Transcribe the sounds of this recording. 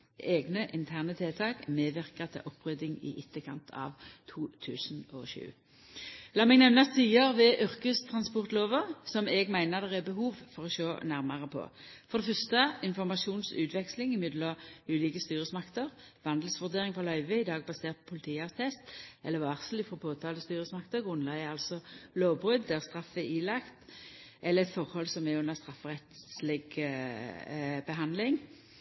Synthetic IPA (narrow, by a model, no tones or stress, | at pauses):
eːɡnəʔɪnt̪ʰæʁnət̪ʰeːt̪ʰɑːkmeːʋɪʁkət̪ʰɪ̰ʔɔpːʁœːd̪ɪŋɪ̰ʔɪt̪ːəkʰɑ̰nt̪ʰɑ̰ːʋt̪ʰuːt̪ʰʉːsn̩ɔ̰ʃʉ̰ː | lɑːmɛɡnɛʋnɑst̪yːəʁʋɛʔʏʁkəst̪ʰʁɑnspɔʁt̪loːʋəʁsɔmɛɡmæɪnəʁd̪ɛʁɛbəhuːʋfɔʁɔʃoːnæʁmɑʁəpʰɔ̰fɔʁd̪ɛfœʁst̪əɪnfɔʁmɑʃuːnsʉ̰ːt̪ʰʋɛkslɪŋɪmʏd̪lɔʉːliːkəst̪yːɾəsmɑkt̪əʁ | ʋɑnd̪l̩sʋʉʁd̪eːɾɪŋpʰɔlœʏʋəɪd̪ɑːɡ̚bɑseːʁt̪̚pʰːpʰʊlɪt̪ʰiːɑst̪ʰɛst̪ʔɛlːəʋɑːʁslɪfɔʁɔpʰoːt̪ʰɑːləst̪yːɾəsmɑkt̪əɡʁʉnlæɪɑlsɔloːbʁʏd̪ːɛːʁst̪ʁɑfːɛiːlɑkt̪ʔɛlːəʁɛt̪fɔʁhɔlsɔmɛʉnːəʁst̪ʁɑfːəʁɛt̪slɪɡ | bəɦɑnd̪lɪŋ